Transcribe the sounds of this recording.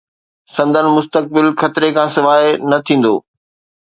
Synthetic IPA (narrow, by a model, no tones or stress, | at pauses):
sɐ̃nd̪ʱənɪ̆mʊst̪ək̚bɪlxʰɐt̪ɪɾekʰãːsɪʋaːɦenɐt̪ʰĩːn̆d̪o̰ː